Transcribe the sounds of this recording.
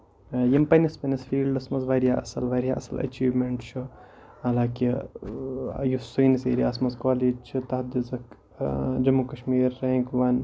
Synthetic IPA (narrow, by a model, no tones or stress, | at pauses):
jimpɐnɐspɐnɐsfiːlɖɐsmɐzʋaːɾijaːʔɐ̰sɐlʋaːɾija̰ʔɐ̰sɐlɐ̰t͡ʃiːʋmeɳʈt͡ʃʰuɦɐlaːki | jusujnisḛːɾiaːsmɐzkoːlid͡ʒt͡ʃʰit̪ɐɦɐd̪izɐk | d͡ʒɐmukɐʃmiːɾːẽːŋkʋɐn